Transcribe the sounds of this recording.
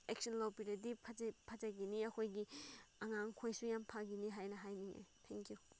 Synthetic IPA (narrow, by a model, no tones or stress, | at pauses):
ek̚sɔnlawpiɾɐdipʰpʰɐzaɡiniɐkʰojɡiɐŋaŋkʰojsujampʰaɡiniɦajnɐɦajniŋḛtʰeŋkʰju